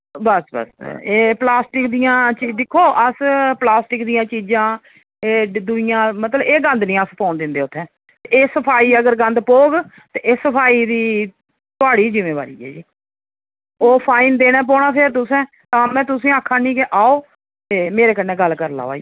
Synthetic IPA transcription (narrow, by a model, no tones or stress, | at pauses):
bəsbə̰seːplaːsʈɪkd̪ɪjãːt͡ʃiːd̪ɪkʰːoːʔəsplaːsʈɪkd̪ɪjãːt͡ʃiːd͡ʒãː | eːd̪ʊɪjãːmət̪ləbeːɡə̃nd̪nĩːəspɔːnd̪ɪ̃nd̪eːʊt̪ʰːɛ̃ː | t̪eeːsəpʰaːiːəɡəɾɡə̃nd̪poːɡ | t̪eːʔesəpʰaːiːd̪iː | t̪ʊaːɽiːzɪmeːʋa̰ːɾḭːɛ̰ːd͡ʒiː | oːpʰaːind̪eːɽ̃ɛːp̬ɔːɽ̃aːpʰeɾt̪ʊsɛ̃ː | t̪ãːmɛ̃ːt̪ʊsĩːaːkʰːãːnĩːkeʔaːoː | t̪eːmeːɾeːkənẽːɡəlːkəɾla̰ːʋa̰ːi